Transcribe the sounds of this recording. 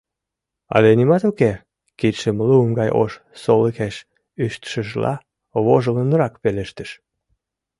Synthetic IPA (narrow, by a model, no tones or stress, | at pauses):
ɑ̰lenimɑt̪uke | kit̪ʃəmlumɡɑjʔo̰ʃ | soləkeʃ | yʃt̪ʃəʒlɑ̰ | βoʒələnəɾɑkpeleʃt̪əʃ